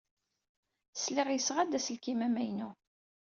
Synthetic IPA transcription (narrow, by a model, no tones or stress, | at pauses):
slɪʁjəsʁæd̪æsəlkimæmæjnu